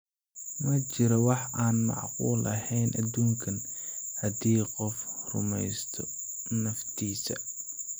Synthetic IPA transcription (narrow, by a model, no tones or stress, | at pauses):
mɐt͡ʃɪɾɔwɑħaːnmɑ̰ʕqṵːlʔɐhɛjnʔɐd̪uːŋkʰɐnhɐd̪iːqɔfrʊ̰mɛjst̪ʰɔ | nɐft̪ʰiːsɐ̰